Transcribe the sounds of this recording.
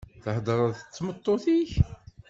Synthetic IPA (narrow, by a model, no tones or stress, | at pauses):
θəhd̪əɾˤɑðət͡sːmət̪ˤːoθiç